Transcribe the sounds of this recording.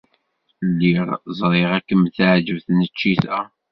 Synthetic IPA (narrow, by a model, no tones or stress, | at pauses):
lːiʁzˤɾˤeʁækːəmθʕd͡ʒəvθnət͡ʃːiθæ